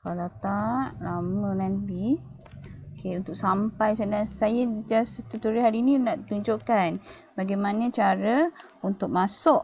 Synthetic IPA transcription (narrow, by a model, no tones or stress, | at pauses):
kalat̪aʔlamə̃nant̪i | okʰeunt̪ʊk̚sampajsənasajad͡ʒasət̪ut̪uɾiɦaɾiːninaʔt̪uɲd͡ʒoʔkan | baɡajmanət͡ʃaɾə | unt̪ʊk̚masʊʔ